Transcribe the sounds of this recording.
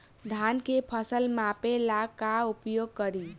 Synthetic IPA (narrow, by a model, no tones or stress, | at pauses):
d̪ʱankepʰəsəlmapelakaupjoɡ̚kəɾi